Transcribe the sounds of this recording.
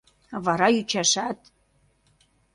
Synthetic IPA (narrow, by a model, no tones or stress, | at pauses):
βɑɾɑyt͡ɕæʃæt̪